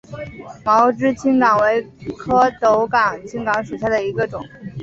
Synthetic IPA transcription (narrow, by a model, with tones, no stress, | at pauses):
mɑ˧˥ʊʈ͡ʂɻ̩˥t͡ɕʰi˥ŋkɑ˨˩ŋwe˧˥ɪkʰɤ˥t̪o˧˥ʊkɑ˨˩ŋt͡ɕʰi˥ŋkɑ˧˥ŋʂu˨˩ɕja˥˩d̪ə˩i˧˥ɡə˧ʈ͡ʂʊ˨˩˦ŋ